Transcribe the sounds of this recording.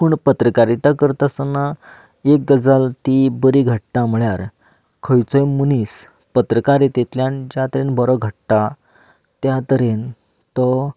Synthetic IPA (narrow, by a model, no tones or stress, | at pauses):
puːɳpət̪ɾəkaɾit̪akəɾt̪əsəna | ek̚ɡəd͡zalt̪ibəɾiːɡʱəʈʈam̤əɭjaɾ | kʰəjt͡səjmunis | pət̪ɾəkaɾet̪et̪ljãnd͡ʑjat̪əɾenbɔɾɔɡʱəʈːa | t̪jat̪əɾen | t̪ɔ